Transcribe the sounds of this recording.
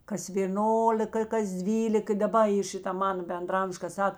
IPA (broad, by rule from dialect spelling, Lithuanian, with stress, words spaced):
kɐs ʋʲeːˈnoːlʲɪkɐ ɪ kɐs ˈdʲʋʲiːlʲɪk ɪ dɐˈbɐ ɪ ˈʃʲɪtɐ ˈmɑːnɐ bʲɛndrɐˈɐmʃ kɐ ˈsɐk